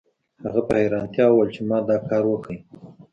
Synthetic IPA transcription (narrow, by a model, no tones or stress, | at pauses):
haɣapəheɾɑnt̪jɑwəlt͡ʃemɑd̪ɑkɑɾwəkəj